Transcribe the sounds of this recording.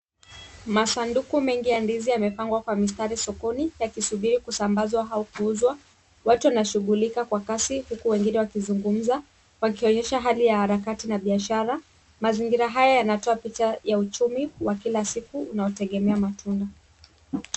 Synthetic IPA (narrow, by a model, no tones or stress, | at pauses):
masandukumɛŋɡijandiziamɛpaŋɡwakwamistaɾisɔkɔnijakisuɓiɾikusambazwaɦaɔkuuzwa | watuwanaʃuɠulikakwakasihukuwɛŋɡinɛwakizuŋɡum̩za | wakiɔɲɛʃaɦalijahaɾakatinaɓiaʃaɾa | maziŋɡiɾaɦajajanatɔapit͡ʃajaut͡ʃumiwakilasikuːnaɔtɛɠɛmɛamatʰunda